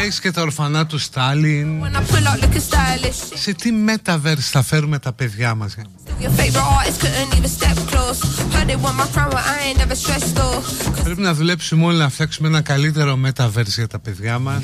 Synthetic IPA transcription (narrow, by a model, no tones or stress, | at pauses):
escet̪ɐoɾfɐnɐt̪ust̪ɐlinwɛnaɪpʰʊlaʊʔlɪkəstaːlɪsse̞t̪ime̞t̪ɐveɾsθɐfe̞ɾume̞t̪ɐpe̞ðʝɐmɐz | əvjəfeɪvəɹɪʔɑːˑʔɪskʰəʔə̃nivəstɛp̚kʰl̥oʊshãdewɔ̃nmafɹãməʔaɛ̃nːɛvəstɹ̥ɛsdokʰɔpɾepinɐðule̞psumolinɐfθɐksumeenɐkɐlit̪̬e̞ɾo̞me̞t̪ɐveɾsʝɐt̪ɐpe̞ðʝɐmɐs